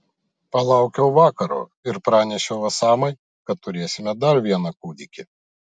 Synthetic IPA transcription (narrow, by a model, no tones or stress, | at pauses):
pɐlˠɑˑʊkʲɛʊʋɑːkɐɾo̰ːɪɾpɾɑːnʲɛʃʲɛʊʋɐsɑːmɐɪ | kɐt̪t̪ːʊɾʲeːsʲɪmʲɛd̪ɐɾʋʲiɛnɐkuːd̪ʲɪkʲɪ